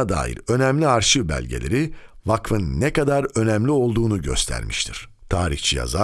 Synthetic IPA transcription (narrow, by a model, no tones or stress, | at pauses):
ad̪a̰ːjḭɾø̞næmlʲiaɾʃɯbæ̰lʲɟe̞lʲe̞ɾi | vakfɯnːɛkad̪aɾø̞næmlʲio̞lˠd̪uːnuɟø̞̰st̪ʰæ̰ɾmʔiʃt̪ʰiɾ̥ | t̪ʰaːɾḭçt͡ʃʰija̰za